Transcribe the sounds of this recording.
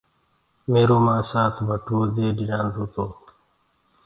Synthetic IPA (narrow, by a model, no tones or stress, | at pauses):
meːɾoːmãːsaːt̪ʰbʱəʈʰuːd̪eːɗɪnãːnd̪oːt̪oː